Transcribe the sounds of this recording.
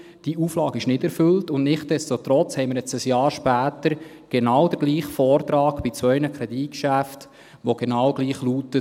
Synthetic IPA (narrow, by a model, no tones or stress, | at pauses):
d̥iuːflɑːɡɪʃnɪdɛɾfɵltʊndnɪχt̚d̥ɛstot̪ɾɔt͡shɛɪmɪɾjɛt͡səsjɑːɾʃpæːtəɾ | ɡ̥enɑːwd̥əɾɡ̥liːχfɔːɾtɾɑːkbɪt͡sʋœʏnəkʰɾɛdikʃæft | ʋoɡ̥enɑwɡ̥liːχlutə